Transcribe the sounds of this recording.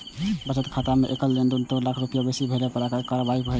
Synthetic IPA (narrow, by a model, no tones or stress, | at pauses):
bət͡ʃət̪kʰat̪ameʔekəllend̪unt̪oɾlakʰɾupijobesibʱeɾepəɾakəkaɾəbaipəɦɛ